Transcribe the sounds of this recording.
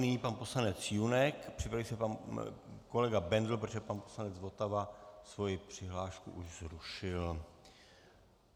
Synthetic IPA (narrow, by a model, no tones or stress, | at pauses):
nɪɲiːpanpo̞slanɛt͡sjunɛkpr̥ɪpɾavisɛpan | ko̞lɛɡabɛndl̩pɾot̪ʒɛpanposlanɛd͡zvo̞t̪avasvo̞jɪpr̝̥ɪɦlaːʃkṵʔuʒzɾuʃɪl